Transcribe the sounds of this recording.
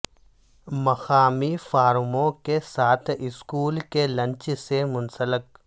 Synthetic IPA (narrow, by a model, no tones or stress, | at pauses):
mɐxaːmifaːɾmõkesaːt̪ʰɪskuːlkelɐ̃nt͡ʃsemʊnsələk̚